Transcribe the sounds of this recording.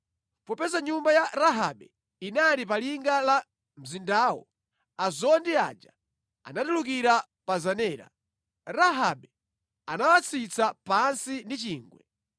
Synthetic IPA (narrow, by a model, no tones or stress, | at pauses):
pɔpɛzaɲumbajaɾaɦa̰ɓɛ | inaɾip̬aliŋɡala | m̩zindaːwɔ̰ | azɔndia̰ːd͡ʒa | a̰natuluk̬iɾa | pazanɛːɾa̰ | ɾaɦaɓɛ | anawat͡sʰit͡sʰapansindit͡ʃiːŋɡwɛ̰